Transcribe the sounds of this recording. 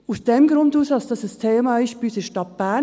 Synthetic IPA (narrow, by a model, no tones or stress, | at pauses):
usd̥ɛmɡɾʊnduːsɑsd̥ɑsəstʰeːmɑːɪʃbysəʃtɑt̚b̥æ